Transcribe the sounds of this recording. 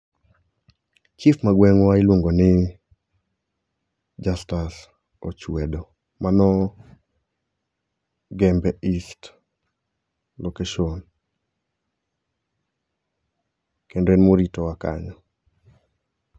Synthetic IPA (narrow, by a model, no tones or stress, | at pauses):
t͡ʃɪfmaɡwɛŋwaɪlwoŋɡonɪ | d͡ʒastas | o̰t͡ʃwɛdɔ | manɔ | ɡɛmbɛist | lokeʃon | kendenmoɾitowaka̰ɲɔ